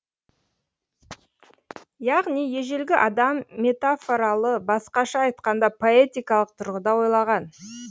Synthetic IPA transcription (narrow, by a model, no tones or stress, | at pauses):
jɑʁnijje̞ʒe̞lɡʲɪʔɑd̪ɑmːe̞t̪afoɾɑlˠəbɑsqɑʃɑɑjt̪qɑnd̪ɑpʰo̞et̪ijkɑlˠəq̚t̪ʰʊɾʁəd̪ɑwo̞jlˠɑʁɑn